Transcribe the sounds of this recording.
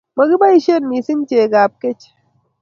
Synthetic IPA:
mɐ˨ɡi˦ba˦i˦ʃe˦nmi˨si˦n˦t͡ʃeː˨ɡaː˨p̚ke˦t͡ʃ

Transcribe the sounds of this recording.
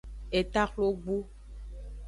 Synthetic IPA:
e˨t̪a˦xlo˦ɡ͡bu˦

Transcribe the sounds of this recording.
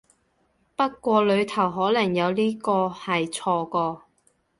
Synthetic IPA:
pɐ˥t̚kʷɔː˧lɵ˨˧ɥt̪ʰɐ˨˩wɦɔː˨˥lɐ˨˩ŋjɐ˨˧wliː˥kɔː˧hɐ˨jt͡sʰɔː˧kɔː˧

